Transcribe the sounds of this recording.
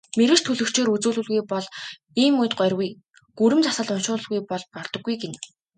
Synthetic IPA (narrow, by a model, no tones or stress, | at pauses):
meɾɘ̆t͡ɕt̪ʰɵɮɵ̆kt͡ɕeːɾut͡suːɮɵ̆ɮɣujpɔɮ | iːmʊjt̪̚ɢœrʲɣuj | ɡ̥uɾɘ̆mt͡sasə̆ɮʊnʃʊːə̆ɮɣujpɔɮpɔrt̪ɞ̆ɡːujɡen